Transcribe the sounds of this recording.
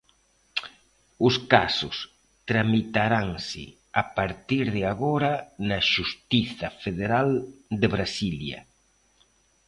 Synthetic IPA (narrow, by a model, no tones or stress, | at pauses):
ʊskasʊs | t̪ɾamit̪aɾaŋsɪ̰ | apaɾt̪iɾðɪaɣoɾanaʃust̪iθɐfeðeɾald̪eβɾasiljɐ̰